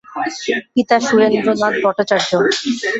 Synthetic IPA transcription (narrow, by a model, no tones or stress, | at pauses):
kit̪aʃuɾend̪ɾonat̪̚bʱɔʈːat͡ɕaɾd͡ʑo